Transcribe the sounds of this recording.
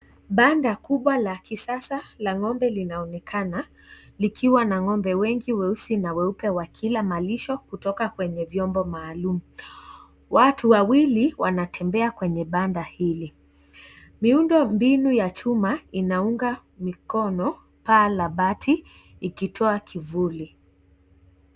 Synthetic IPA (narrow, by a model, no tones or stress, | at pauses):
ɓandakuɓwalakisasalaŋɔmbɛlinaɔnɛkʰana | likʰiwanaŋɔmbɛwɛŋɡiwɛusinawɛupɛwakʰilamaliʃɔkutɔkakwɛɲɛvjɔmbɔmaːlumu | watuwawiliwanatʰɛmbɛakwɛɲɛɓandahili | miundɔmbinujat͡ʃumainauŋɡa | mikɔnɔ | palaɓatʰiː | kitʰɔakʰivuli